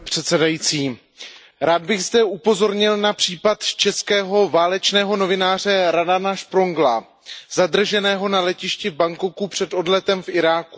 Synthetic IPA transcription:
r̥ɛt̪sɛdajiːt͡siː | ɾaːd̪bɪɣzdɛʔupo̞zo̞ɾɲɪlnapr̝̥iːpat̪t͡ʃɛskɛːɦo̞vaːlɛt͡ʃnɛːɦo̞no̞vɪnaːrɛɾadanaʃpɾoŋɡla | zad̪r̩ʒɛnɛːɦo̞nalɛcɪʃcɪvbaŋkokupr̝̥ɛt̪o̞dlɛt̪ɛmfʔɪɾaːku

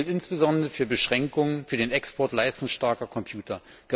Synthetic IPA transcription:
ltʔɪnsb̥əzɔndʁəfyːɐbəʃʁ̥ɛŋkʊŋənfyːɐdeːnɛkspʰɔɐtlaɪstʊŋsʃtaɐkɐkʰɔmpʰjuːtɐ | ɡ̥ə

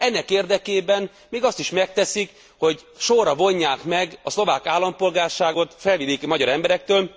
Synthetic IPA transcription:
ɛnːɛkeːrd̪ɛkeːbɛn | meːɡɒst̪iʃmɛk̚t̪ɛsik | ho̞ɟʃorɒvo̞ɲːaːkmɛɡɒslo̞vaːkaːlːɒmpo̞lɡaːrʃaːɡo̞t̪fɛlvid̪ikmɒɟɒɾɛmbɛɾɛk̚t̪øːl

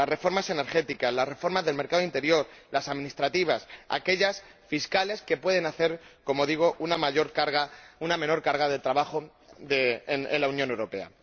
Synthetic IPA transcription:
asre̞fo̞ɾmase̞ne̞ɾxe̞t̪ikazlasre̞fo̞ɾmazðelme̞ɾkaðo̞int̪e̞ɾjo̞ɾlasaðmĩnist̪ɾat̪iβ̞asa̰ke̞ʎasfiskale̞ske̞pwe̞ð̞e̞naθe̞ɾko̞mo̞ðiɣ̞o̞ʔunamaoɾkaɾɣauname̞no̞ɾkaɾɣaðe̞lt̪ɾaβaxo̞ | ðenḛlaunjone̞wɾo̞pe̞a̰

